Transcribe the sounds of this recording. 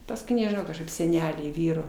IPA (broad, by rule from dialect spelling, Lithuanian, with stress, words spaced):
pɐsˈkʊɪ nʲɛʒʲɪˈnɐʊ kɐʃˈkɐɪp sʲɛˈnʲæːlʲɛɪ ˈʋʲiːroː